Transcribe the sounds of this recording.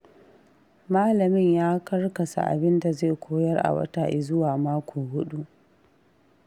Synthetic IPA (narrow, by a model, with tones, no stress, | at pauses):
maː˦lɐ˨mɪ˦˨ɲjaː˦kɐ˦rkɐ˨sa̰˨ʔa̰˨bɪ˦nda˨ze˦˨kʷoː˦jɐ˦rʔa̰˨wɐ̰˦taː˨ʔɪ˨zʊ˦waː˨maː˦kʷoː˨hʊ˦ɗu˦ʔ